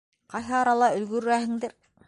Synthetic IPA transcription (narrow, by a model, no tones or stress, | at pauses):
qɑjɦɤɑɾɑlˠɑɵ̆lɡɵ̆ɾɾæhɘ̆ŋd̪ɘɾ